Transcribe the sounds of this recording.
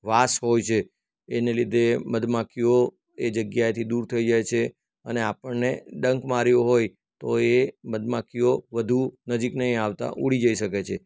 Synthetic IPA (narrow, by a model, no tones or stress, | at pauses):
ʋasɦojt͡ʃʰeː | nelid̪ʱeməd̪makijo | ed͡ʒəɡjajt̪ʰid̪uɾt̪ʰəid͡ʒajt͡ʃʰe | əneapəɳneɖəŋkmaɾjoɦoj | t̪oeməd̪makijoʋəd̪ʱunəd͡ʒiknəɦĩaʋt̪a̰ʔuɽid͡ʒəiʃəket͡ʃʰe